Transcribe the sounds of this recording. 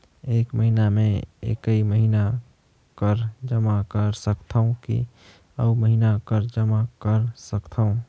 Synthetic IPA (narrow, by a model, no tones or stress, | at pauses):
eːkməɦinameḛkəiməɦina | kəɾd͡ʒəmakəɾsəkt̪ʰaũkḭ | ə̰uməɦinakəɾd͡ʒəmakəɾsəkt̪ʰəũ